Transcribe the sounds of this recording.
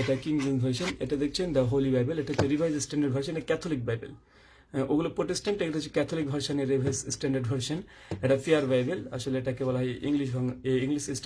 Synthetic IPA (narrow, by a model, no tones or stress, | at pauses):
eʈakiŋd͡ʒonbʱɐɾʃoneʈad̪ekʰt͡ɕʰend̪ɐɦolibajbeleʈat̪eɾibʱajzsʈɛɳɖaɾɖbʱɐɾʃ̬ɔneʈakɛt̪ʰolik̚bajbḛl | oɡulopɾoʈesʈaɳʈːeked̪ʰot͡ɕʰekɛt̪ʰolik̚bʱɐɾʃoneɾibʱajzsʈɛɳɖaɾɖbʱɐɾʃon | eʈafʰeaɾbajbela̰ʃoleeʈaɛkebɔlaɦɔjʔiŋliʃbʱaŋeiŋliʃisʈ